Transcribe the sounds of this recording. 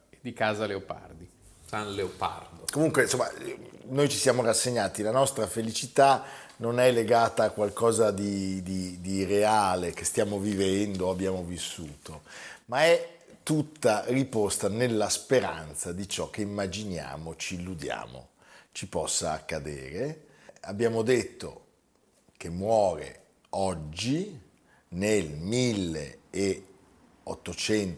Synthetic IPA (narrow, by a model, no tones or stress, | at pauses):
d̪ikaːzaleopa̰rd̪i | sanleopa̰rd̪okomuŋkwensomːa̰nojt͡ʃisjaːmorasːeɲːaːt̪ilanɔst̪ɾafelit͡ʃit̪anonɛlːeɡaːt̪aːkwalkɔːzad̪id̪id̪ireaːlekest̪jaːmovivɛnd̪oabːjaːmovisːuːt̪omaɛ | t̪ːut̪ːaripost̪anelːaspeɾa̰nt̪sad̪it͡ʃɔk̟ːeimːad͡ʒinja̰ːmot͡ʃiːlːud̪ja̰ːmo̰ | t͡ʃipɔsːa̰ːkːad̪ḛːɾe | abːjaːmod̪et̪ːo̰ | k̟emːwɔːɾḛ | ɔd͡ʒːi | nelmilːḛː | ot̪ːot͡ʃɛnt